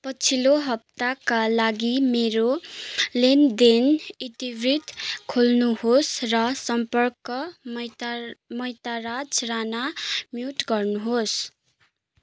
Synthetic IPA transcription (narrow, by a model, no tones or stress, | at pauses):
pʌt͡sʰiloɦʌp̚t̪akalaɡimeɾolend̪enit̪ibrit̪kʰolnuhosrʌsʌmpʌrkʌmjmʌjt̪arad͡zranamjuʈɡʌrnuɦos